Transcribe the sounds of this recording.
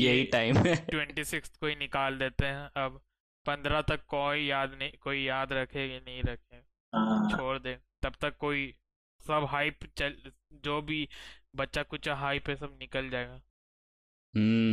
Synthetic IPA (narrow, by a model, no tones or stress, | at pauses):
jeɦiʈaːɪmɛʈwɛ̃ɳʈisɪkst̪koːinɪkaːld̪eːt̪eɦɛ̃ɐb | pɐ̃nd̪ɾat̪ɐkːɔːijaːd̪nɐĩkoːijaːd̪ɾɐkʰeːɡenɐɦĩɾɐkʰeː | t͡ʃʰoːɾd̪eːt̪ɐbt̪ɐkːoːi | sɐbɦaːɪpt͡ʃɐl | d͡ʒoːbʱibɐtːʃakʊt͡ʃaɦaːipɦɛ̃sɐbnɪkəld͡ʒaːeːɡaː | ɦ̩ː